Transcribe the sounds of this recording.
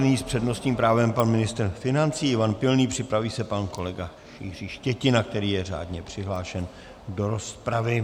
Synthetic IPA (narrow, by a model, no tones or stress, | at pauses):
niːspr̥ɛdno̞st̪ɲiːmpɾaːvɛmpanmɪnɪst̪ɾfɪnant͡siːɪvanpɪlniːpr̝̥ɪpɾaviːsɛpanko̞lɛɡa | ʃḭːr̝iːʃcɛcɪnak̚t̪ɛɾiːjɛr̝a̰ːdɲɛpr̝̥ɪɦlaːʃɛn | do̞ɾo̞spɾavɪ